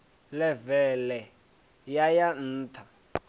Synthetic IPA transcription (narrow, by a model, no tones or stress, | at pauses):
lɛvɛlɛ | jajan̩ːt̪ʰa